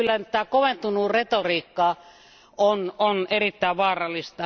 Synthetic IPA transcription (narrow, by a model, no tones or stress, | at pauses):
ylːænt̪æːkoʋent̪unuret̪oriːkːɑː | ononerit̪ːæˑːʋʋɑːrɑlːˑist̪ɑ